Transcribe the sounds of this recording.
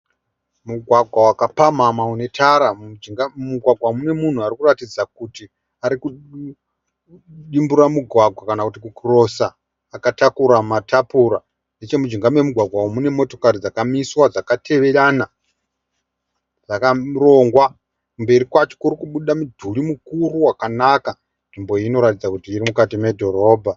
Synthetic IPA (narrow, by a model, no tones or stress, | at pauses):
muɡʱwaɡʱwawakapamamaune̞tʰaɾad͡ʒiŋɡamuɡʱwaɡʱwamune̞mun̤uarikuratid͡zakuti | aɾiku | ɗimbuɾamuɡʱwaɡʱwakanakutikukro̞saː | katakuɾamatʰapuɾa | ndet͡ʃe̞mud͡ʒiŋɡamwe̞muɡʱwaɡʱwawomune̞mo̞to̞̥kaɾid͡zakamiswad͡zakatʰe̞ʋe̞ɾana | d͡zakaro̞ŋɡwa | kumbe̞ɾikwat͡ʃo̥kuɾikuɓuɗamudʱulimukuruwakanaka | nʐimbo̞ino̞ɾatid͡zakutiːɾimukatime̞dʱo̞ɾo̞ːbʱa